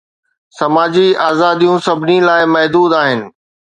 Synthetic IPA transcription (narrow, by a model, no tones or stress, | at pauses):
sɐmaːd͡ʑiaːzaːd̪ijũsɐbʱɪnilaːɪmɐɦd̪uːd̪aːɦɪnɪ̆